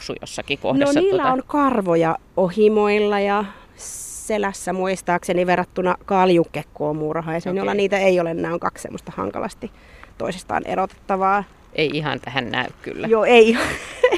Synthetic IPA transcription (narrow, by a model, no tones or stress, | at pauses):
usṵjo̰sːɑkiko̰hneossnːiːlːæonkɑrʋojɑohimoilːɑjɑ | selæsːæmuist̪ɑːkseniʋerːɑt̪ːunɑkɑljukːekːoːmurhɑːjɑsenolːɑniːt̪æeioleenːæːoŋkɑkssḛmːost̪ɑhɑ̰ŋkɑ̰lʔɑ̰st̪i | t̪o̰isest̪ɑ̰ːnʔḛrot̪e̥t̪ːɑʋɑː | ʔeiihɑ̰nt̪æhænnæ̰ykky̰lːæjoeiiɑ